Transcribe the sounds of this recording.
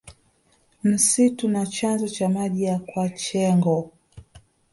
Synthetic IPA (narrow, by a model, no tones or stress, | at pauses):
m̩situnat͡ʃanzɔt͡ʃamaʄijakwat͡ʃɛŋɡɔ